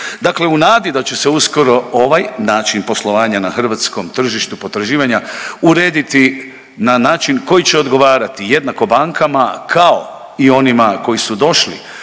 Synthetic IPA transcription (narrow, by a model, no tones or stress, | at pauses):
d̪akle̞unaːd̪id̪at͡ɕeseusko̞ɾo̞oʋajnaːt͡ʃinpo̞slˠo̞ʋaːɲanaxr̩ʋat̪sko̞mt̪r̩ʒiʃt̪upo̞t̪ɾaʒiːʋaɲauɾe̞ːd̪it̪i | nanaːt͡ʃinko̞jit͡ɕe̞od̪ɡo̞ʋaːɾat̪ije̞d̪nako̞baŋkʰamakʰao | io̞nimako̞jisud̪o̞ʃlḭ